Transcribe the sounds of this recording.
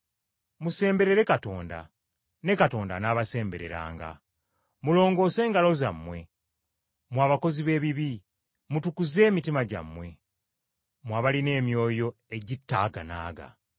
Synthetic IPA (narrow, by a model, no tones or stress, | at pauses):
muse̞ːmbe̞ɾe̞ɾe̞kato̞ːnda̰ | ne̞kato̞ːnda̰naːβase̞ːmbe̞̰ɾe̞̰ɾa̰ːŋɡa̰ | mulo̞ːŋɡo̞ːse̞ːŋɡalo̞za̰mːwe̞ | mwaːβako̞ziβe̞ːβiβi | mutukuze̞ːmitimaɟa̰mːwe̞ | mwaːβaline̞ːmjo̞ːjo̞e̞ɟitːa̰ɡa̰na̰ːɡa̰